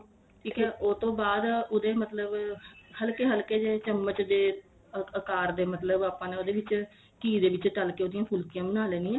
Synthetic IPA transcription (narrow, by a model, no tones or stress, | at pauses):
kʰiːkɛːʔot̪õːbaːd̪ʊd̪eːmət̪ləbhəlkeːɦəlkeːd͡ʒeːt͡ʃəmːət͡ʃd̪eː | əkaːɾd̪eːmət̪ləbaːpãːneːoːd̪eːʋɪt͡ʃ | kiːd̪eːʋɪt͡ʃʈəlkeːoːd̪ɪjãːpʰʊlkɪjãːbənaːlɛːniːɛ̃ː